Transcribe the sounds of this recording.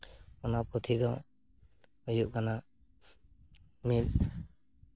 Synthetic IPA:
ɔnaput̪ʰid̪ɔ | ujuʔkana | mil̚

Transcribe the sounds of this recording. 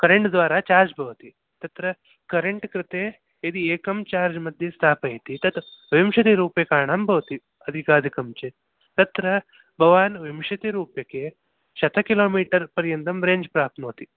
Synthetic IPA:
kɐɾeɳʈd̪ʋaːɾaːt͡ʃaːɾd͡ʒbʱɐʋɐt̪i | t̪ɐt̪ɾɐ | kɐɾeɳʈkɾɪt̪eː | id̪ieːkɐmt͡ʃaːɾd͡ʒmɐd̪ʱjɐst̪ʰaːpɐjt̪it̪ɐt̪ʋimʃɐt̪iɾuːpjekaːɳaːmbʱɐʋɐt̪i | ɐd̪ʱikaːd̪ʱikɐmt͡ʃe | t̪ɐt̪ɾɐ | bʱɐʋaːnʋimʃɐt̪iɾuːpjɐkeː | ʃɐt̪ɐkiloːmiːʈɐɾpɐɾjɐnt̪ɐmɾeːɲd͡ʒpɾaːp̚t̪moːt̪i

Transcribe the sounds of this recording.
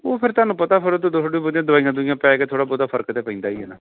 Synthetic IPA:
oːpʰɪɾt̪aːnũːpət̪aːpʰɪɾot̪ud̪osɖiːbʊd̪ɪjãːd̪ʊbaːijãːd̪ʊɪjãːpɛːkeːt̪ʰoːɽaːboːd̪aːpʰəɾkt̪eːpə̃ĩːnd̪aːiːɦɛːnaː

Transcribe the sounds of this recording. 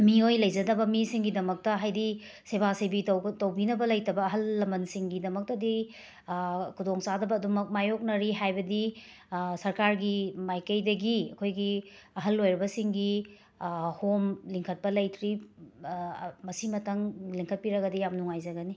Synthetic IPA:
miojlɐjd͡ʒɐdɐbɐmisiŋɡidɐmɐk̚tɐɦajdi | sebasɐjbiwtɐwbinɐbɐlɐjtɐbɐːɦɐlːɐmɐnsiŋɡidɐmɐk̚tɐdi | kʰudoŋsadɐbɐːdumɐk̚majok̚nɐɾiɦajbɐdi | sɐɾkaɾɡimajkɐjdɐɡiɐkʰojɡi | ɐɦɐlːojɾɐbɐsiŋɡi | homliŋkʰɐt̚pɐlɐjtʰɾi | mɐsimɐtɐŋliŋkʰɐt̚piɾɐɡɐdijamnuŋajzɐɡɐni

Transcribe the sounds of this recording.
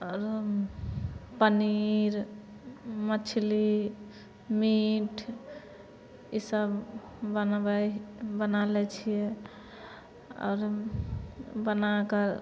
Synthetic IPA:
ɔɾ | pəniɾ | mət͡ʃʰli | miʈʰ | isəb | bənbɛbənalɛt͡ʃʰijɛ | ɔ̰ːɾ | bənakəɾ

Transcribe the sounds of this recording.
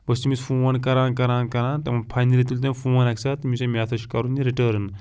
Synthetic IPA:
bɐst̪imisfʰuːʋɐnkɐɾaːnkɐɾãːnkɐɾãːnt̪ɐmɐpʰajnɐlit̪ulʲt̪ɐmfuːɐnɐksat̪mʲisemʲaːt̪ʰɐt͡ʃkɐɾuniɾiʈəːɾn

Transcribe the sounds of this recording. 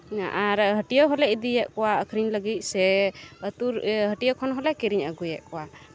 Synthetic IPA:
ʔaɾɦəʈijɔɦɔlɛʔid̪ijɛʔkɔwaəkʰɾiɲləɡit̪̚ˀsɛət̪uɾɦəʈijɔkʰɔnɦɔlɛkiɾiɲəɡujɛʔkɔwa

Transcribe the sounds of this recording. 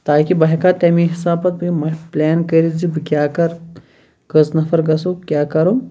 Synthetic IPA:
t̪aːkibɐɦikaːt̪ɛːmiɦisaːpɐt̪̚bmɐplʲeːnkəɾizibɨkʲjaːkɐɾ | kɐsnɐfɐɾɡɐsukʲjaːkɐɾu

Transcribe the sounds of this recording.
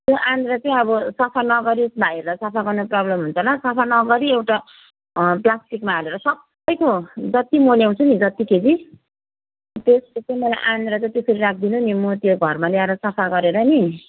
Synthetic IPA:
t̪joʔanɾʌt͡saĩʌbʌsʌpʰanʌɡʌɾibʱajɾʌsʌpʰaɡʌrnoprʌblʌmɦunt͡sʰʌlʌsʌpʰanʌɡʌɾiewʈa | plasʈikmaːleɾʌsʌb | ʌjkod͡zʌt̪imoljaw̃t͡sʰunid͡zʌt̪iked͡zi | t̪eskot͡sʌĩmʌlajʔanɾʌt͡sãt̪esʌɾiɾak̚ʰd̪inunimʌt̪joɡʱʌrmaleaɾʌsʌpʰaɡʌɾeɾʌni

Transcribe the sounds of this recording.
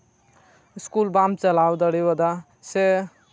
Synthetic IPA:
skulbamt͡səlawd̪əɽibəd̪a | se

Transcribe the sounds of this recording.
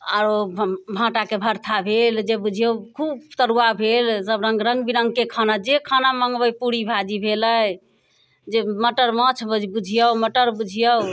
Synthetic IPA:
aɾobʱãʈakebʱəɾt̪ʰabʱeld͡ʒebud͡ʒʱijəwkʰubt̪əɾuabʱelsəbɾə̃ŋɡɾə̃ŋɡbiɾəŋɡ̚kekʰanad͡ʒekʰanaməŋɡbəjpuɽibʱad͡ʒibʱeləj | d͡ʒeməʈəɾmət͡ʃʰbbud͡ʒʱijəwməʈəɾbud͡ʒʱijəw

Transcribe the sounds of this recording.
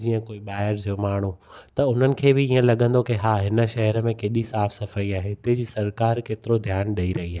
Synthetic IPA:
d͡ʑiːə̃koːiɓaːɪəɾd͡ʑiomaːɳ̤̃ut̪ɐʊn̤ənɪ̆kʰeːbɪiːə̃lɐɠə̃nd̪okɪɦaːɦɪnə̆ʃɐɦəɾəmẽkeːɗisaːfsɐfaːiaːɦet̪ed͡ʑiːsɐɾkaːɾkeːt̪ɪɾod̪ʱjaːnɗɐiɾɐɦiaːɦe

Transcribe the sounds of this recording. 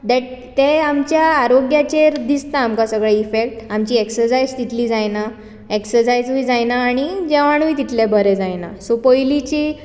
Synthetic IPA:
d̪ɛʈ̚t̪eamt͡ɕjaːɾoɡjat͡ɕeɾd̪ist̪aːmkãsəɡɭaifek̚ʈamt͡ɕiːeksəɾsajd͡zt̪it̪ʰliːd͡zajna | eksəɾsajd͡zujd͡zajnaːɽ̃id͡ʑeʋaɳ̃uit̪it̪ʰlebʱəɾed͡zajna̰sopəjlit͡ɕiː

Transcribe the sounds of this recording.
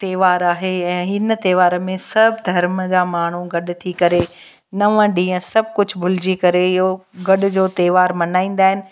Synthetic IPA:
t̪eːʋaːɾaːɦeɛ̃ːɦɪnət̪eːʋaːɾmẽsɐbʱd̪ʱɐɾmd͡ʑaːmaːɳ̤uɡɐɗ̆t̪ʰikɐɾe | nɐʋə̃ɗĩːə̃sɐb̚ʱkʊd͡ʑʱbʱʊlɪd͡ʑikɐɾeɪɦoɡɐɗ̆d͡ʑoːt̪eːʋaːɾmɐnaːĩːn̆d̪aːɦɪnɪ̆

